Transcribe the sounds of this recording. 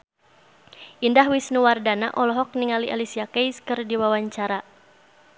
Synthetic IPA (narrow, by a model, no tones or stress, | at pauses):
ʔindaɦwisnuwardana̰ʔɔlɔɦɔk̚niŋaliʔalisiakɛjskɨrdiwawaɲt͡ʃaɾa